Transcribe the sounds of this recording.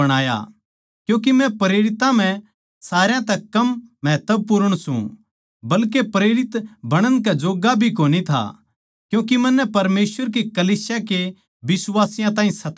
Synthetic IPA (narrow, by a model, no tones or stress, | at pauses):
ɐɽ̃aːja̰ | kjũːk̬imɛ̃pɐɾeːɾɪt̪ãm̤ɛ̃ | saːɾjãt̪ɛkɐmːɛːt̪əb̚pʊɾəɽ̃sṵ̃ | bɐlkepɾeːɾɪt̪bʱɐɽ̃ə̃nkad͡ʒoːɡabʱikoːnit̪ʰa̰ | kjũːk̬imɐ̃nːɛpɐɾmeːsʋəɾk̬ekɐliːsjake | bɪswaːsɪjãt̪ãːɦĩsɐt̪